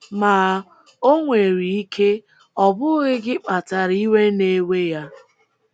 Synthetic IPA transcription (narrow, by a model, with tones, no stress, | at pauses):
maː˨˦ | o˦ŋʷe˨ɾi˨i˦kʰe˦ | ɔ˦bʊ˦ɣɪ˦ɡɪ˦k͡pa˨ta˨ɾi˦we˦ne˦we˦ja˦